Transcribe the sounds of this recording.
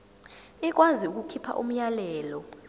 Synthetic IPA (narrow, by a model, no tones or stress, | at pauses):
ik̬ʼwaziuk̬ʼukʰipʰa̰ʔṵm̩jalɛːlɔ